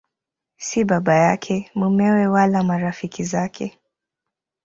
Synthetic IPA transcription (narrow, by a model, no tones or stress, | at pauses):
siɓaɓajakʰɛmumɛwɛwalamaɾafikizakʰɛ̰